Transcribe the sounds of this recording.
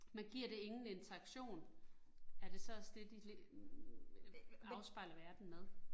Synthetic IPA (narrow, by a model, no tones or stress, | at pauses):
mænɡ̥iɐ̰ɾe̝e̝ŋn̩e̝nt͡sʰɐɑ̈ɡ̥ɕo̝̰ːn | æɐɾ̥e̝sɒ̽sd̥ed̥il | ɑ̈ʊsb̥ɑ̈ɪ̰lɐʋæɐd̥n̩meðˠ